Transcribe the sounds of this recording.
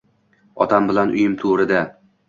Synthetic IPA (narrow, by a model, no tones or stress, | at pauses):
ɒ̰t̪ʰambɪlanʔʊ̰jɪmt̪ʰuɾɪd̪a